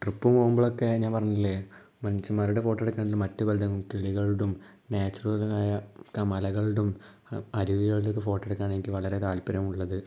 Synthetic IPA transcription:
ʈrɨpːumpoːɣumboɭokːe̞ɲaːnpɐrɐɲːilːeː | mɐnit͡ɕːumaːɾuɽefo̞ːʈːeɽukːanɳɖilumɐtːubɐld̪ʱɐŋːumkiɭiɣɐɭɽum | neːt͡ɕːɐrɣɐlunaːjɐkːɐmɐlɐɣɐɭɽum | ɐɾuʋiɣɐɭiɽokːefo̞ːʈːeɽukːaːɳenikʲːɨʋɐɭɐɾe̞t̪aːlpːɐɾɐmuɭːɐðɨ

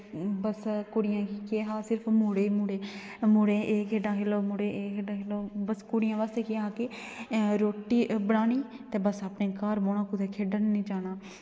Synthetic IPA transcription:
bəskʊɽɪjãːkikeːɦaːsɪɾpʰmuːɽeːmuːɽeː | mʊɽeːʔeːkʰeːɖãːkʰeːloːmʊɽeːeːkʰeːɖãːkʰeːloːbəskʊɽɪjãːʋaːst̪eːkeaːkeː | ɾoːʈːiːbəɽaːniː | t̪eːbəsaːpneːkaːɾmoːnaːkʊd̪eːkʰeːɖənnĩːd͡ʒaːnaː

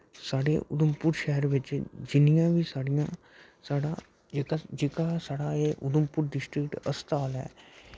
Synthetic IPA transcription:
saːɽeʔʊd̪əmpʊɾʃɛɦəɾʋɪt͡ʃd͡ʒɪnijãːʋiːsaːɽɪjãː | saːɽa | d͡ʒekad͡ʒɪːkasaːɽaeːʔʊd̪ʊmpʊɾɖɪsʈɾɪkʈə̰st̪aːlɦɛ̰ː

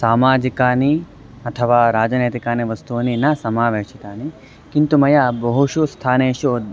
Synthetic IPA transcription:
saːmaːd͡ʒikaːni | ɐt̪ʰɐʋaːɾaːd͡ʒɐneːt̪ikaːniʋɐst̪uʋɐninɐsɐmaːʋeːʃit̪aːni | kint̪umɐjabɐɦuʃust̪ʰaːneːʃod̪

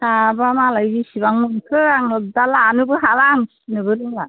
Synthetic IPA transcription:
tabamalajbisibaŋmunkʰɯaŋlɯk̚dalanɯbɯɦalaŋsinɯbɯɾɯŋla

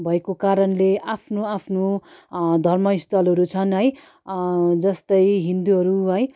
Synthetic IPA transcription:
bʱʌekokaɾʌnleʔapʰnoapʰno | d̪ʱʌrmʌist̪ʌlʌɾut͡sʰʌnɦʌj | d͡zʌst̪ʌjɦind̪uɦʌɾuɦʌj

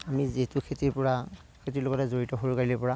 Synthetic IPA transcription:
amizetukʰetiɹpɔɹa | kʰetiloɡɔtɛzoɹitɔɦoɹukaɹilɔpɔɹa

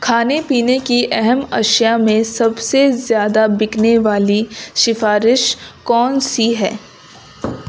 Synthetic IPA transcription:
kʰaːnepiːnekiʔɛɦɛmɐ̰ʃjamẽsɐbsezjaːd̪abɪkneʋaːliʃɪfaːɾɪʃkɔːnsiɦɛː

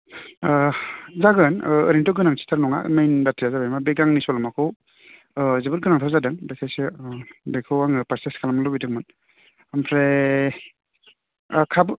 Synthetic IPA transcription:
zaɡɯnɯ̰ɾintɔɡɯnaŋsi̥tʰaɾnɔŋa̰majnbatʰijazabajmabeɡaŋnisɔlamakʰɯw | zebɯt̚ɡɯnaŋtʰawzadɯŋbasʰajsɯbejkʰɯwaŋɯpaɾseskʰalamalɔwbidɯŋmɯn | ampʰɾe | kʰab

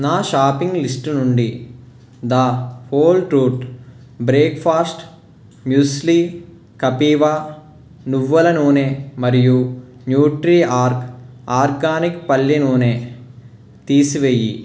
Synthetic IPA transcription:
naːʃaːpiŋɡlisʈnuɳɖi | d̪ɐhoːlʈɾuːʈ | bɾeːkfʰaːsʈ | mjuːsliː | kɐpiːʋaː | nuʋːɐlɐnuːnemɐɾiju | njuːʈɾiːaːɾk | aːɾɡaːnikpɐlːinuːne | t̪iːsiʋeːji

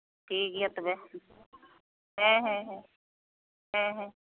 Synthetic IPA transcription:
ʈʰiːkjat̪bɛ | ɦɛ̃ɦɛ̃ɦɛ̃ | ɦɛ̃ɦɛ̃ː

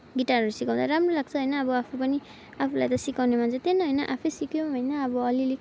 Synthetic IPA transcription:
ɡiʈarʌɾusikaw̃d̪aɾamrolaɡ̚t͡sʰʌɦojnʌːbʌapʰupʌni | apʰulajt̪ʌsikawnemand͡zʌ̃t̪enʌɦʌjnʌʔapʰesikjoɦʌjnʌʌbʌʌlile

